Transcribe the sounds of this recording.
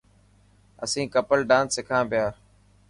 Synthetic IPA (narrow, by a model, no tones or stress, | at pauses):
əsĩːkəpəlɖãːnsːɪkʰãːpɪjaː